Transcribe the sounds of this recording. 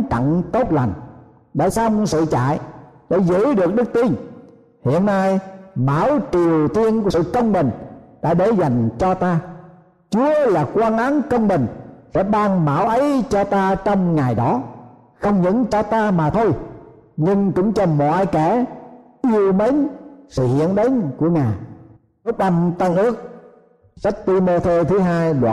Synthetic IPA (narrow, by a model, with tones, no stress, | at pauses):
t͡ɕa̰˧˨ŋt̪o˦˥t̚la̰˨˩jŋ̟ | ɗa̰ː˧˨jsaː˧wŋ͡msɨ̰˧˨t͡ɕa̰ː˧˨jɗa̰˧˥zə̰˧˥ɗɨ˨˩ək̚ɗɨ˦˥k̚t̪i˧n | hḭ˧˨ənːaː˧jma̰ː˧˩wt͡ɕi˨˩əwt̪ʰi˧ənku˧˦sɨ̰˧˨kə˧wŋ͡mɓï˨˩ŋ̟ɗa̰ː˧˥ɗe˧˩za˨˩jŋ̟t͡ɕɔ˧t̪aː˧ | t͡ɕu˨˦əlaː˨˩kwaː˧nʔa˨˦ŋkə˧wŋ͡mɓï˨˩ŋ̟sɛ̰˧˥ɓaː˧ŋma̰ː˧˩wʔə˨˦jt͡ɕɔ˧t̪aː˧t͡ɕɔ˧wŋ͡mŋa˨˩jɗɔ˨˦ | xə˧wŋ͡mɲɨ̰˧˥ŋt͡ɕɔ˧t̪aː˧maː˨˩t̪ʰo˧j | ɲɨ˧ŋkʊ̰˧˥ŋ͡mt͡ɕɔ˧mɔ̰˧˨jkɛ˧˩ | ʔi˧əwmə˨˦nsɨ̰˧˨hḭ˧˨ənɗe˨˦nku˧˩əŋaː˨˩j | ʔɨ˦˥ək̚ɗa˧mt̪ə˧nʔɨ˦˥ək̚ | sa˦˥k̚t̪i˧mo˧t̪ʰe˧t̪ʰɨ˨˦ɦaː˧jɗwa̰ː˧˨